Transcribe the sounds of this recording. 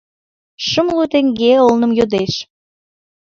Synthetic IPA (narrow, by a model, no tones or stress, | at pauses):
ʃəmlut̪eŋɡeolnə̆mjod̪eʃ